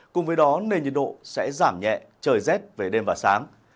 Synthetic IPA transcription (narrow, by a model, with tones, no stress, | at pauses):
kʊ˨˩ŋ͡mvəː˨˦jɗɔ˨˦ne˧nɲḭ˧˨nɗo̰˧˨sɛ̰˧˥zaː˧˩mɲɛ̰˧˨t͡ɕəː˨˩jzɛ˦˥t̚ve˨˩ɗe˧mvaː˨˩saː˨˦ŋ